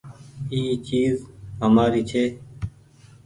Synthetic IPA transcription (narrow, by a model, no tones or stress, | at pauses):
iːt͡ʃiːzɦəmaːɾiːt͡ʃʰeː